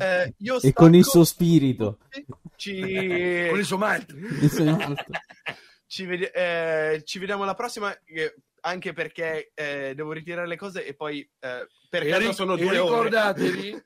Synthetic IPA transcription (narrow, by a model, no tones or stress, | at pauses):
iːoekːonilsuːospiːɾit̪ot͡ʃi | onils̬wojmalt̪ɾiisomalt̪o | t͡ʃived̪jɛt͡ʃived̪jaːmolapɾɔsːima | aŋk̟eperk̟ed̪ɛːvoɾit̪̬iɾaɾelekɔːzeʔepːɔj | perkaosoːnod̪uɾiokord̪aːt̪evi